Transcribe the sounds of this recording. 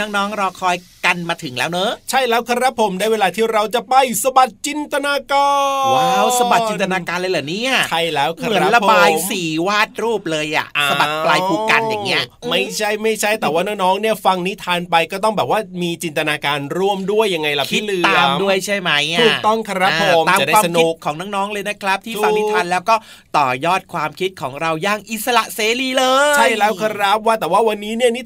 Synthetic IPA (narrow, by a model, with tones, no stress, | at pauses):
nɔ˦˥ŋnɔː˦˥ŋɾɔː˧kʰɔː˧j | ka˧nmaː˧t̪ʰɯ˩˦ŋlɛ̰ː˦˥wnɤ˦˥t͡ɕʰa˥˩jlɛː˦˥wkʰa˧ɾa˦˥pʰːo˩˦mdaː˥˩jweː˧laː˧t̪ʰiː˥˩ɾa˧wt͡ɕa˨˩pa˧jsa˧ba˨˩t̪̚t͡ɕi˧nt̪a˧naː˧kaː˧wa˨˦˥wsa˧ba˨˩t̚t͡ɕi˧nt̪a˧naː˧kaː˧nlɤː˧jlɯː˨˩˦niː˦˥ʔa˧˩t͡ɕʰa˥˩jlɛː˦˥wkʰa˧mɯ˨˩˦ə˦˥la˧pbaː˧jmsiː˨˩waː˥˩t̪̚ɾuː˥˩p̚lɤː˧jʔa̰˨˩ʔasa˧ba˨plaː˧jʰuː˨˩kka˧nja˨˩ŋːi˦˥ɐma˥˩jt͡ɕʰa˥˩jma˥˩jt͡ɕʰa˥˩jt̪ɛː˨˩waː˥˩nɔː˥ŋnɔː˦˥ŋni˥˩ɐfa˧ŋni˦˥t̪ʰaː˧npa˧jkɔː˥˩t̪̬ɔ˥˩ŋbɛː˨˩p̚waː˥˩miː˧t͡ɕi˧nt̪a˧naː˧kaː˧nɾu˥˩əmdu˥˩əjːa˧ŋːa˧jla˨˩iː˦˥˩lɯ˧a˨du˥˩əjt͡ɕʰa˥˩jma˦˥jt̪ʰuː˨˩kt̪ɔ˥˩ŋkʰa˧ɾa˦˥˨pːʰo˧maː˧m˨˩da˥waː˧˩sʰaknoiː˦˨˩kʰːɔː˩˦ŋna˧˥˩ŋnɔː˦˥ŋlɤː˧jna˦˥kʰɾa˦˥p̚t̪ʰiː˥˩fa˧ŋ˧ni˦˥t̪ʰaː˧nlɛː˦˥wkɔː˥˩ | t̪ɔː˨˩jɔː˥˩t̪̚kʰwaː˧mkʰi˦˥t̪̚kʰɔː˩˦ŋɾa˧wjaː˥˩ŋʔi˨˩t̪̚sa˧la˨˩ʔseː˨˧liː˧lɤː˧t͡ɕʰa˥˩jlɛː˦˥wkʰa˧ɾa˦˥p̚waː˥˩t̪ɛː˨˩waː˥˩wa˧nːiː˦˥ni˥˩ɐni˦˥